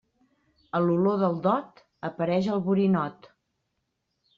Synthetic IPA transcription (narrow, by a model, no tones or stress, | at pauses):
əluloðəlˠd̪ɔt̪ | əpəɾɛʒəlˠβuɾinɔt̪